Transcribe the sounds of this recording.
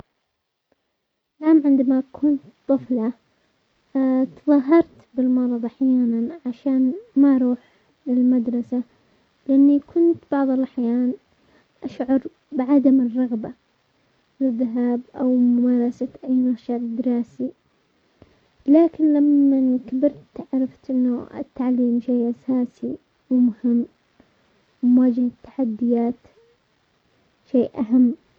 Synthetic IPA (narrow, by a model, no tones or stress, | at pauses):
laːmʕɪnd̪amakʰʊːnt̪t̪ˤːɨfla | t̪ðˤɑɦɑɾˤt̪bɪlmɑɾˤɑðˤaħjaːnanʕaʃaːnmaʔɾˤuːħ | lɪlmad̪ɾˤɑsa | lɪʔanːikʰʊnt̪b̥ɑʕðˤɪlʔaħjaːn | ʔaʃʕɑɾˤ | bɪʕad̪amɪrˤːɑɣba | lɪðːaɦaːbʔawmʊmɑːɾˤɑsaʔajnaʃald̪ːɪɾˤɑːsi | laːkɪnlamːankabɪɾt̪t̪ʕɾˤɑft̪ʔɪnːʊɪ̰t̪ːaʕliːmʃeːʔasaːsi | wɪmʊhɪmː | wmʊwaːd͡ʒahat̪ːḁħad̪ːɪjaːt̪ | ʃeːʔʔaɦamː